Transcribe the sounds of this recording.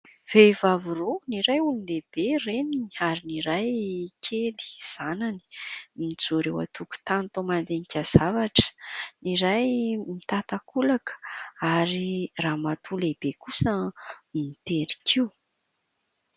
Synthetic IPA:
v̥evaviruniɾajulund̪eb̥erenini̥aɾiniɾajkʲʰeli̥z̥anani̥mid͡zuɾewa̰t̪ʰuku̥t̪ant̪omand̪enikʲazavaʈ͡ʂə̥niɾajmit̪at̪akulakə̥aɾiramat̪ʰuleb̥ekusəmit̪eɾi̥kʰiw

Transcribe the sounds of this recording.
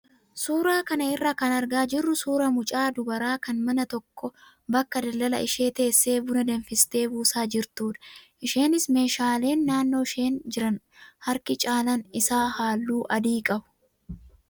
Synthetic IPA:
suːɾaːkɐnɐɪrːakɐnɐɾɡaːd͡ʒɪrːʊsuːɾɐmʊt͡ʃʼaːd̪ʊbɐɾaːkɐnmɐnɐt̪ɔkːɔ | bɐkːɐd̪ɐlːɐlɐ̰ʔɪʃe̞ːt̪e̞ːsːe̞ːbʊnɐd̪ɐnfɪst̪e̞ːbuːsaːd͡ʒɪɾt̪uːd̪ɐ̥ʔɪʃe̞ːnɪsme̞ːʃaːle̞ːnːaːnːo̞ːɪʃe̞ːnd͡ʒɪɾɐn | hɐɾkɪt͡ʃʼaːlɐnɪsaːhaːlːuːʔɐd̪iːkʼɐbʊ̥

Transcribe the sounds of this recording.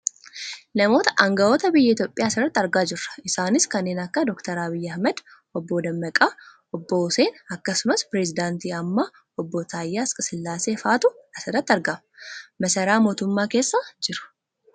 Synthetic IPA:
nɐmo̞ːt̪ɐ̥ʔɐŋɡɐwɔt̪ɐbɪjːɐɪt̪joːpʼːɪjaːsɪrːɐt̪ːɐɾɡaːd͡ʒɪrːɐ̥ɪsaːnɪskɐnːeːnɐkːɐd̪ɔkt̪ɐɾɐbɪjːɐhmɛd̪ | ɔbːoːd̪ɐmːɐkʼaː | ɔbːɔʊse̞ːnɐkːɐsʊmɐspɪɾɛzɪd̪aːnt̪iːɐmːaː | ɔbːot̪ʰaːjːaːskʼɐsɪlːaːse̞ːfaːt̪ʊɐsɪrɐt̪ːɐɾɡɐm | mɐsɐɾaːmo̞ːt̪ʊmːaːke̞ːsːad͡ʒɪɾʊ̥

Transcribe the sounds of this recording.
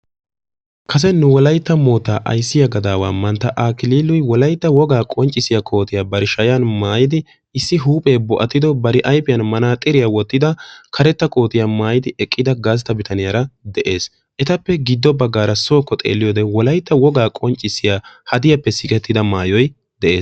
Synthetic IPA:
kʰɐs̬ɛnːʊwɔlɐjt̪ːɐmo̞ːt̪ːaːʔɐ̰jsːɪjɐɡɐd̪aːwaːmɐnt̪ːɐʔaːkɪliːlːʊjwɔlɐjt̪ːɐwɔɡaːkʼɔnt͡ʃʼɪsɪjɐkʰʼo̞ːt̪ɪjaːbɐɾɪʃɐjɐnmaːjɪd̪ɪ | ɪsːɪɦuːpʼe̞ːbɔʔɐt̪ːɪd̪ɔbɐɾɪʔɐjpɪjɐnmɐnaːt̪ʼɪɾɪjawɔt̪ːɪd̪ɐkʰɐɾɛt̪ːɐkʼo̞ːt̪ɪjamaːjɪd̪ɪɛkʼːɪd̪ɐɡaːs̬t̪ːɐbɪt̪ʰɐnɪjɐɾɐd̪ɛʔe̞ːs | ʔɛt̪ɐpːɛɡɪd̪ːɔbɐɡːaːɾɐso̞ːkːɔt̪ʼḛːlːɪjɔːd̪ɛwɔlɐjt̪ːɐwɔɡaːkʼɔnt͡ʃʼːɪsːɪjaːhɐd̪ɪjɐpːɛsɪkʼɛt̪ːɪd̪ɐmaːjɔj | d̪̥ɛʔe̞ːs

